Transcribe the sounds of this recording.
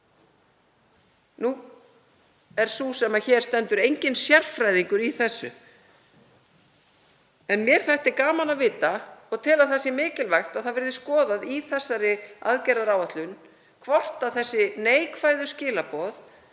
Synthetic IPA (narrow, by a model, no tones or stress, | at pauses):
nu | ɛɾ̥suːsɛmːaçɛːɾ̥st̪ɛnt̪ʏɾejɲcɪnsjɛr̥fɾajðiŋkʏɾiθɛsːʏ̰ | ɛnmjɛɾ̥θajht̪ɪkaːmanaðvɪːt̪aɔɣt̪ʰɪlaðθɛsːɪmɪːcɪlvajxt̪aðθaðvɛɾðɪskɔːðaðiθɛsːaɾɪa̰ðcɛraɾaːwaht̪lʏn | kʰvɔr̥t̪aθɛsːɪneːjkʰvaːjðʏscɪːlapɔθ